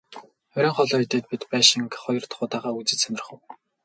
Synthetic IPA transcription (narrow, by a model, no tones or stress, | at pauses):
œɾʲiːŋχɔɮɔːjt̪eːt̪̚pit̪pæːʃiŋkχɔjɞ̆rt̪χʊːt̪aːʁaːut͡sɘ̆t͡ɕsœnʲɪ̆r̆χə̆w